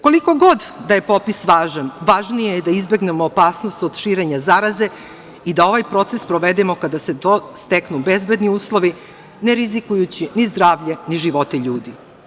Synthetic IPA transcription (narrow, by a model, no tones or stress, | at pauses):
ko̞liko̞ɡo̞d̪d̪aje̞po̞pisʋaːʒanʋaʒnijejd̪aizbe̞ɡne̞moːpaːsnost̪od̪̥ʃiːɾe̞ɲazaɾaze̞ | id̪ao̞ʋajpɾo̞t̪se̞spɾoʋed̪emo̞kad̪aset̪ost̪eknube̞zbe̞d̪niuːslˠo̞ʋi | neɾizikujut͡ɕinizd̪ɾaːʋʎeniʒiʋo̞t̪eʎuːd̪i